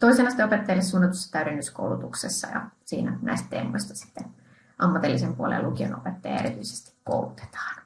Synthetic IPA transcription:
t̪o̞isenɑsi̥t̪eopet̪ːɑjɑlːesːuːnːɑt̪usːɑ̥t̪æyɾenːysko̰uwlut̪uksesːɑjɑ̰sḭːnænæ̰ist̪t̪eːmo̰isʲt̪ɑ̥si̥t̪ːen | ʔɑmːɑt̪ilːisempuolḛlʔukio̰nopet̪ːɑjɑ̰e̞̰ɾit̪yise̥st̪i̥kko̰ulut̪e̥t̪ɑ̥ːn

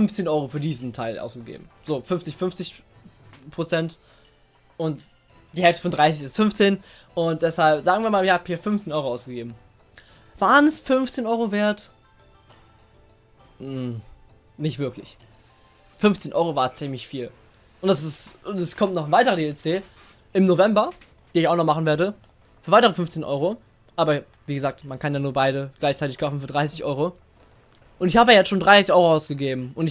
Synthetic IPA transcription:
fʏnft͡seːnʔɔʏʁofyːɐdiːzn̩tʰaɪlʔa̰ʊsɡ̥əɡḛːbm̩z̥oːfʏnft͡sɪçfʏnft͡sɪç | pʁ̥ot͡sɛnt | ʔʊnt | d̥iːhɛlftə̥fɔndʁaɪs̬ɪçɪstfʏnft͡seːn | ʔʊnt̚d̥ɛshalpz̥aːɡŋviːɐmaːlɪçhaːbhiːɐfʏnft͡seːnɔʏʁoaʊsɡ̥əɡeːbm̩ | v̥aːʁənɛsfʏnft͡seːnʔɔʏʁoveːɐt | nɪçtv̥ɪɐklɪç | fʏnft͡seːnʔɔʏʁovaɐtt͡siːmlɪçfiːl | ʔʊntd̥as̬ɪsʔʊntɛskʰɔmtnɔχanvaɪtəʁɐdeːɛlt͡seː | ɪmnovɛmbɐ | d̥iːnɪçaʊxnɔχmaχn̩veːɐɾə | fyːɐaɪtəʁəfʏɱft͡seːnʔɔ̰ʏʁo | ʔaːbɐ | viːɡəzaːk̚tmankʰanjaːnuːɐbaɪɾəɡ̥laɪçt͡saɪtɪçkʰaʊfn̩fyːɐdʁaɪsɪçʔɔʏʁo | ʔʊntɪçhaːbəajɛt͡sʃoːndʁaɪsɪçʔɔʏʁoʔaʊsɡ̥əɡeːbm̩ʔʊntɪ

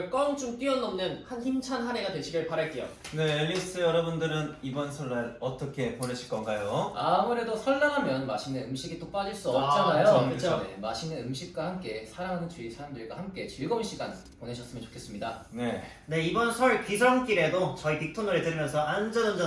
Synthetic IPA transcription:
ɭk͈ʌŋt͡ɕ͈umk͈iʌnːʌmnɯnhançimt͡ɕʰanhane̞ɡadwe̞ɕʰiɡeɭpaɾaɭk͈e̞jo̰ | ne̞ːʎːis͈ɯjʌɾʌbundɯɾɯnibʌnsʰʌɭːaɾʌt͈ʌkʰe̞ponɯɕʰiɭk͈ʌnɡajoamuɾe̞dosʰʌɭːaŋɦamjʌnmaɕʰineɯmɕʰiɡit͈op͈ad͡ʑiɭs͈uʌp̚t͡ɕ͈anajoɯt͡ɕʰt͡ɕnemaɕʰiŋneɯmɕʰik̚k͈wahamk͈e̞sʰaɾaŋɦanɯnt͡ɕuisʰaɾamdɯɭɡwa̰hamk͈e̞t͡ɕiɡʌmɕ͈iɡan | poneɕʰʌs͈ɯmjʌnt͡ɕo̥kʰe̞s͈ɯmɲidane̞ | ne̞ibʌnsʰʌɭkisʰʌŋk͈iɾe̞dot͡ɕʌitik̚tʰonoɾet͈ɯɾimjʌnsʰʌand͡ʑʌnɯnd͡ʑʌ

